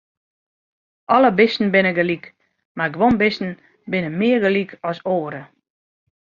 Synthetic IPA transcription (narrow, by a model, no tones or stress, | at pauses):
ʔɔləbɪsn̩bɪnəɡəlik | maɡʋonbɪsn̩ | bɪnəmɪːərɡəlikʰɔsoːɾə